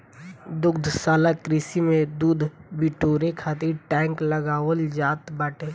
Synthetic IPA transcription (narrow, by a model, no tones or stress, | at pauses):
d̪ʊɡd̪ʱsaːlakɾɪsimẽd̪uːd̪ʱbɪʈoːɾekʰaːt̪ɪɾʈɛ̃ːŋkləɡaːwəld͡ʒaːt̪baːʈʰeː